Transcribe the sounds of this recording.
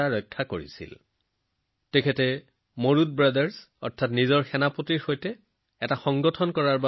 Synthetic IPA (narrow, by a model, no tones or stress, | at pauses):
aɹɔjkʰːakoɹḭsḭl | tekʰɛtɛ | moɹut̚bɹadaɹs | ɔ̰ɹtʰatnizɔɹxɛnapotiɹxojtɛ | ɛtaxɔŋɡɔtʰɔnkɔɹaɹba